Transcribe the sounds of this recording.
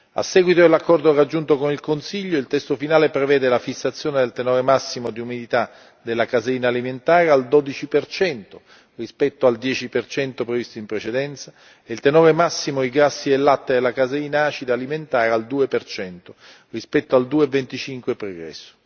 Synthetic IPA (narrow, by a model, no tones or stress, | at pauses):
a̰sːɛːɡwit̪od̪elːakːɔrd̪orad͡ʒːunt̪okonilkonsiʎːoilt̪ɛst̪ofinaːlepɾevɛːd̪elafisːat̪sːjoːned̪elt̪enɔːɾemasːimod̪iumid̪it̪a | d̪elːakazeɾiːnaːliment̪aːɾeald̪od̪it͡ʃipert͡ʃɛnt̪o | rispɛt̪ːoald̪jɛːt͡ʃipert͡ʃɛnt̪opɾevist̪oimpɾet͡ʃed̪ɛnt̪sa | eilt̪enɔːɾemasːimoiɡasːielːat̪ːed̪elːakazeɾiːnaaːt͡ʃid̪aliment̪aːɾeald̪uːepert͡ʃɛnt̪o | rispɛt̪ːoald̪uːevent̪it͡ʃiŋkwepɾoɡɾɛ̰sːo̥